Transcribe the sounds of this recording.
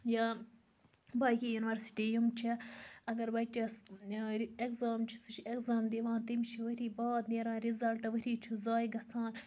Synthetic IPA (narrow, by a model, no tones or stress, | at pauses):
ja | baːjkijuːnʋɐɾsi̥ʈijumt͡ʃʰiɐɡɐɾbɐt͡ʃɐ | ekzaːmt͡ʃʰi̥sut͡ʃʰiekzaːmd̪iʋãːnt̪imʲt͡ʃʰiʋɐɾiːbaːt̪neːɾãːɾizɐlʈɐʋɐɾiːt͡ʃʰuzaːjɡɐt͡sʰãːn